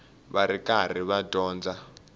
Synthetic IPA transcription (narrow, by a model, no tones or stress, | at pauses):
βaɾikʼar̤iβadɔːnd͡za